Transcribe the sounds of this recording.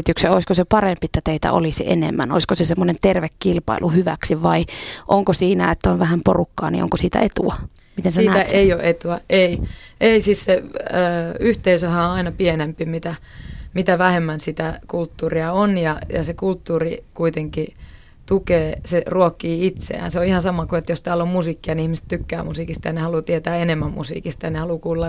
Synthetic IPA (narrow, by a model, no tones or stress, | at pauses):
t̪ykseoiskosepɑrempiet̪ːæt̪eit̪æ̰ʔo̰lisḭʔḛnḛmːæ̰no̰iskosesemːonent̪erʋekːilpɑ̰ilʔuhyʋæ̰ksiʋɑiʔoŋkosiːnæet̪ːæonʋæhæmporukːɑ̰ːnḭʔo̰ŋkosiːt̪æ̰ʔet̪ṵɑ | mit̪ensesiːnææeioʔet̪uæʔeiʔeisiːsseəːyht̪eisøhæõɑinɑpienempimit̪æmit̪æʋæhemːænsit̪ækult̪ːuːriɑonjɑjɑ̰sekult̪ːuːrikuit̪eŋki | t̪ukeːseruokːiːit̪sḛæ̰nseoihɑnsɑmɑkuet̪jost̪æːlːommusiːkːiɑniihmist̪t̪ykːæːmusiːkist̪ɑjɑnehɑlut̪iet̪æːenemːæmmṵsḭːkist̪ɑjɑnehɑlukuːlːɑ